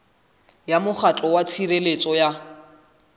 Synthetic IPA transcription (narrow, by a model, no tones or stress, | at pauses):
jamʊχat͡ɬʼɔwat͡sʰirelet͡sʼɔja